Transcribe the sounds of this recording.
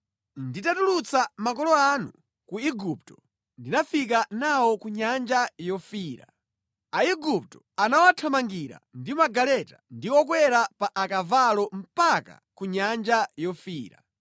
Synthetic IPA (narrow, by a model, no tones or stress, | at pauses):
nditatulut͡samakɔlɔanṵ | kuiɡup̚tɔ̥ | ndinafik̬anawɔkuɲand͡ʒajɔfiːɾa̰ | aiɡup̚tɔ̥ | anawatʰamaŋɡiɾa̰ndimaɡalɛtandiwɔkwɛɾapaʔakavalɔm̩paka̰kuɲand͡ʒajɔfiːɾa